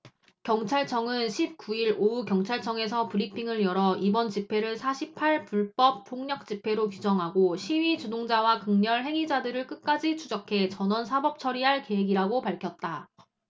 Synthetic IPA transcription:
kjʌŋt͡ɕʰaɭt͡ɕʰʌŋɯnɕʰip̚k͈uiɾoukjʌŋt͡ɕʰaɭt͡ɕʰʌŋe̞s̬ʰʌpɯɾipʰiŋɯɭjʌɾʌibʌnt͡ɕipʰe̞ɾɯɭsʰaɕʰipʰaɭpuɭp͈ʌp̚p͈ʰːoŋɲʌk̚t͡ɕ͈ipʰe̞ɾokid͡ʑʌŋɦaɡoɕʰiɥit͡ɕudoŋd͡ʑawakɯŋɲʌɭɦe̞ŋid͡ʑadɯɾɯɭk͈ɯk̚k͈ad͡ʑit͡ɕʰud͡ʑʌkʰe̞t͡ɕʌnʌnsʰabʌp̚t͡ɕʰʌɾiɦaɭke̞ɦeɡiɾaɡopaɭkʰjʌt̚t͈a

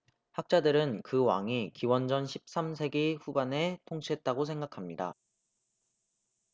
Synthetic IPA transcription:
hak̚t͡ɕ͈adɯɾɯnkɯwa̰ŋikiwʌnd͡ʑʌnɕʰi̥p̚s͈amsʰe̞ɡeɸubane̞tʰoŋɕʰiɦe̞t̚t͈aɡosʰe̞ŋɡakʰamɲida̰

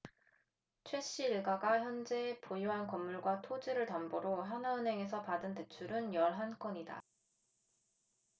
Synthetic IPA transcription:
t͡ɕʰwe̞ɕ͈iːɭɡaɡaçjʌnd͡ʑe̞pojoɦankʌmːuɭɡwatʰod͡ʑiɾɯɭtamboɾoɦanaɯnɦe̞ŋe̞sʰʌpadɯnte̞t͡ɕʰuɾɯnjʌɭɦank͈ʌɲida̰

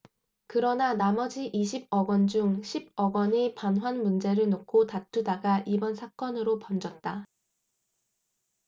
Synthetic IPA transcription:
kɯɾʌnanamʌd͡ʑiʔiɕʰib̚ʌɡwʌnd͡ʑuŋɕʰibʌɡʌɲipanɦwanmund͡ʑe̞ɾɯɭnokʰotatʰudaɡaʔibʌnsʰak͈ʌnɯɾopʌnd͡ʑʌt̚t͈a

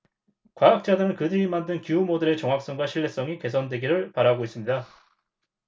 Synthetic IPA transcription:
kwaak̚t͡ɕ͈adɯɾɯnkɯdɯɾimandɯnkuumodɯɾe̞t͡ɕʌŋɦak̚s͈ʌŋɡwaɕʰiɭːe̞s͈ʌŋike̞sʰʌndwe̞ɡiɾɯɭpaɾaɡois͈ɯmɲida

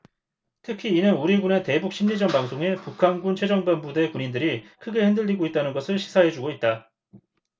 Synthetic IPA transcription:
tʰɯkʰiːnɯnuɾiɡunete̞buk̚ɕ͈ʰimɲid͡ʑʌnbaŋsʰoŋe̞pukʰanɡunt͡ɕʰwe̞d͡ʑʌŋbanbude̞kuɲindɯɾikʰɯɡe̞hindɯʎːiɡoit̚t͈anɯnɡʌsʰɯɭɕʰi̥sʰaɦe̞d͡ʑuɡoit̚t͈a

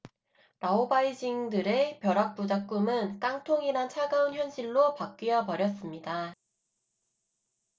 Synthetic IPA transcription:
ɾaobaid͡ʑiŋdɯɾe̞pjʌɾak̚p͈ud͡ʑak̚k͈umɯnk͈aŋtʰoŋinat͡ɕʰaɡaunçjʌnɕʰiɭːopak̚k͈ɥijʌpʌɾjʌs͈ɯmɲida

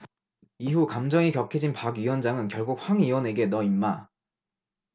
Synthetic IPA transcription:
iɦukamd͡ʑʌŋikjʌkʰed͡ʑinpaɡɥiwʌnd͡ʑaŋɯnkjʌɭɡuk̚ɸwaŋiwʌne̞ɡe̞nʌimːa

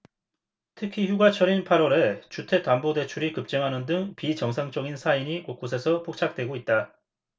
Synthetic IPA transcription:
tʰɯkʰiçjuɡat͡ɕʰʌɾinpʰaɾwʌɾe̞t͡ɕutʰe̞tambode̞t͡ɕʰuɾikɯp̚t͡ɕ͈eŋɦanɯndɯŋpit͡ɕʌŋsʰaŋt͡ɕ͈ʌɡinsʰaiɲikok̚k͈os̬ʰe̞sʰʌpʰok̚t͡ɕʰak̚t͈we̞ɡoit̚t͈a

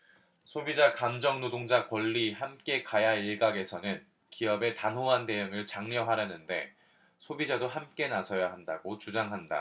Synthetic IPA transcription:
sʰobid͡ʑakamd͡ʑʌŋnodoŋd͡ʑakwʌʎːihamk͈e̞kajaiɭɡaɡe̞sʰʌnɯn | kiʌbe̞tanɦoɦande̞jɯŋɯɭt͡ɕaŋɲjʌɦaɾjʌnɯnde̞ | sʰobid͡ʑadoɦamk͈e̞nasʰʌjaɦandaɡot͡ɕud͡ʑaŋɦanda̰

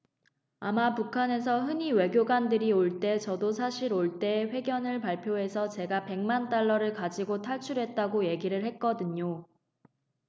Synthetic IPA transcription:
amapukʰane̞s̬ʰʌɦɯɲiwe̞ɡjoɡandɯɾioɭt͈e̞t͡ɕʌdosʰaɕʰiɾoɭt͈e̞ɸwe̞ɡjʌnɯɭpaɭpʰjoɦe̞sʰʌt͡ɕe̞ɡape̞ŋmant͈aɭːʌɾɯɭkad͡ʑiɡotʰaɭt͡ɕʰuɾɦe̞t̚t͈aɡoje̞ɡiɾɯɭhet̚k͈ʌdɯɲo

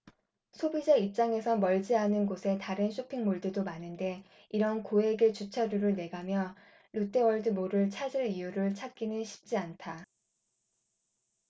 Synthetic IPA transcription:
sʰobid͡ʑaip̚t͡ɕ͈aŋe̞sʰʌmʌɭd͡ʑiɦanɯnɡosʰe̞taɾɯnɕʰopʰiŋmoɭdɯdomanɯnde̞ | iɾʌnkoɦe̞ɡet͡ɕut͡ɕʰaɾuɾɯɭne̞ɡamjʌ | ɾut͈ʰewʌɭdɯmoɾɯɭt͡ɕʰad͡ʑiɭijuɾɯɭt͡ɕʰat̚k͈inɯnɕʰi̥p̚t͡ɕ͈iantʰa

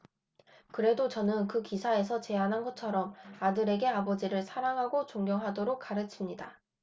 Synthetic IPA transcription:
kɯɾe̞dot͡ɕʌnɯnkɯkisʰae̞sʰʌt͡ɕe̞anɦanɡʌt̚t͡ɕʰʌɾʌmadɯɾe̞ɡe̞abʌd͡ʑiɾɯɭsʰaɾaŋɦaɡot͡ɕoŋɡjʌŋɦadoɾok̚k͈aɾɯt͡ɕʰimɲida

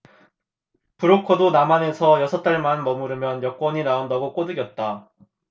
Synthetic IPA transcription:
pɯuɾokʰodonamane̞sʰʌjʌsʰʌt͈aɭmanmʌmuɾɯmjʌnjʌk͈wʌɲinaundaɡok͈odɯɡjʌt̚t͈a

